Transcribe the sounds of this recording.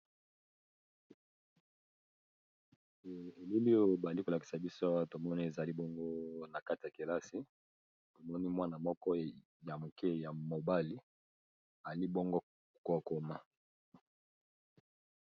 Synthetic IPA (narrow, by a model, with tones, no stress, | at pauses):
e˨li˦li˦jo˦˨ba˨i˦ko˨la˨ki̥˨sa˨bi˦so˦to˨mɔ˦ni˦e˨za˨li˦bɔ˦ŋɡo˦na˨ka˦ti˨ja˨ki˨la˦si˦ | to˨mɔ˦ni˦mwa˦na˨mɔ˦kɔ˦ | ja˨mo˨kɛ˦ja˨mo˨ba˦li˦ | a˨li˦bɔ˦ŋɡo˦˨ | ko˦˨ko˦ma˦